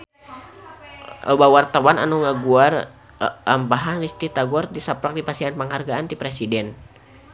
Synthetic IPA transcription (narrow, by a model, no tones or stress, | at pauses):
ʔəbawart̪awana̰nuŋaɡuar | ampaɦanlist̪it̪aɡuardisapɾak̚dipasianpəŋɦarɡaant̪ipɾesidɛn